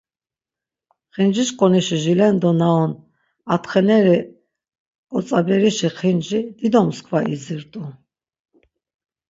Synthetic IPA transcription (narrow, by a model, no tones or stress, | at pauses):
χind͡ʒiʃkʼɔniʃiʒilɛnd̪ɔnaɔn | at̪χɛnɛɾi | kʼɔt͡sʼabɛɾiʃiχind͡ʒid̪̥id̪ɔmskʰvaiziɾt̪ʼu